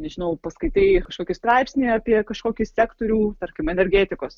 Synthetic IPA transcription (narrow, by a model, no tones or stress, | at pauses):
nʲɛʒʲɪnɐʊpɐskɐɪt̪ʲeːɪkɐʃkoːkʲɪst̪ɾɑɪpʲsʲnʲiːɑːpʲiɛkɐʃkoːkʲɪsʲæːkt̪oːɾʲuːt̪ɐɾʲkʲɪmɛnʲɛɾʲɡʲeːt̪ʲɪkoːs